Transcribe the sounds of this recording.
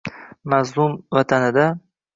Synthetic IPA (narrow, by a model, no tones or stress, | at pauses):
mazlˠʊmvat̪ʰanɪd̪a